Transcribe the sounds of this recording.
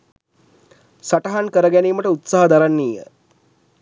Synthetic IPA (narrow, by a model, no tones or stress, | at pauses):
saʈɐɦankəɾəɡæniːməʈəut̪saɦɐd̪aɾanːiːjə̰